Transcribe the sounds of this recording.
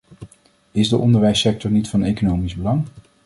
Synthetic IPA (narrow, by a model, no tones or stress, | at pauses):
ɪzdəʔɔndəɹʋɛjsɛk̚tɔɹnitfɑnejkonowmizbəlɑŋ